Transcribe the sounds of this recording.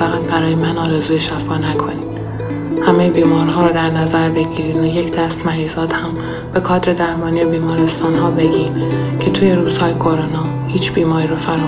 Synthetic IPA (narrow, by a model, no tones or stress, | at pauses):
fæɣæt̪̚bæɾɒːjemænɒːɾezuːje̞ʃæfɒːnækʰo̞niːm | hæmejbiːmɒːɾɦɒːɾɔːd̪æɾnæzæɾbe̞ɟiːɾiːnoje̞cʰd̪æst̪mæɾiːzɒːd̪hæm | b̥e̞kʰɒːd̪ɾe̞d̪æɾmɒːnijebiːmɒːɾe̞st̪ɒːnɦɒːbe̞ɡiːncʰe̞t̪ʰuːje̞ɾuːz̥hɒːjekʰo̞ɾonɒː | hiːt͡ʃʰb̥iːmɒːɾiːɾɒfæɾː